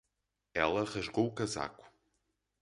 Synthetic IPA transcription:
ɛlˠɐʁɐʒɣowukɐza̰ku̥

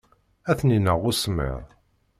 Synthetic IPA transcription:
æθninəʁʊsmə̰ɾˤ

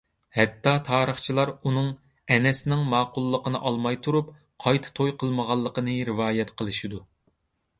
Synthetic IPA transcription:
hɛt̪ʰːɑt̪ʰɑːɾəχt͡ʃʰilˠɑɾunɨŋ | ɛnɛsɪnɪŋmɑːqʊlˠːəqənɨʔɑlˠmɑjt̪ʰuɾup̚ | qʰɑjt̪ʰɨ̥t̪ʰojqʰəlˠməʁɑlˠːəqənɨɾɨvɑːjɛt̪qʰəlˠɨʃid̪u

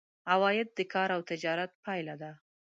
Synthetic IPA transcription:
awɑjɪd̪̚ːəkʰɑɾawt̪ɪd͡ʒɑɾat̪̚pʰɑjlad̪a

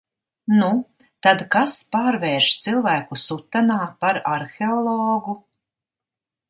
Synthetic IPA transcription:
nu | t̪ad̪kaspaːɾvɛːɾʃt̪silˠvæːkusut̪ːanaːpaɾaɾxeɔlˠɔːɡu

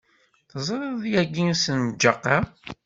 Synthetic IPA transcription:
θəzˤɾˤəðˤjæɡinsənd͡ʒɑqːɑ

